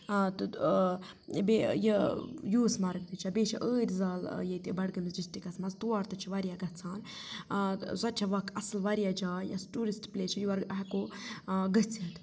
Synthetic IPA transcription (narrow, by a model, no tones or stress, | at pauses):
t̪ɨ | bejəjuːsmɐɾɨkd̪ɨt͡ʃʰabeːt͡ʃʰɐ̰ʔəːɾʲzaːljet̪ʲibɐɽɡɨmisd͡ʒisʈikɐsmɐzt̪uaːɾt̪ɐt͡ʃʰiʋaɾʲijaɡɐt͡sʰaːn | zɐt͡ʃʰaʋɐkʰɐslʋɐɾijad͡ʒaːjɐsʈuːɾisʈplʲeːt͡ʃʰɐjuɐɾɦɐkoɡɐt͡sʰɐt̪